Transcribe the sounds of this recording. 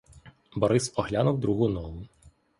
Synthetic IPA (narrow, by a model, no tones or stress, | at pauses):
bɔɾɪsɔɦlʲanuwd̪ɾuɦunɔlˠʊ